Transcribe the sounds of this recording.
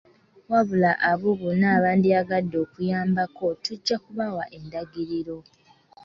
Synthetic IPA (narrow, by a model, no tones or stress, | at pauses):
waβulaʔaβuβunaːβaːndiaɡadːo̞ːkujaːmbako̞tuɟːakuβawaʔe̞ndaɡiɾiɾo̞